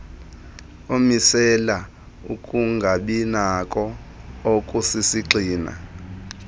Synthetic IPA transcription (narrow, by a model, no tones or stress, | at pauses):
omisɛla | ukʼuŋɡʱaɓinakʼɔokʼusisiǀiːna̰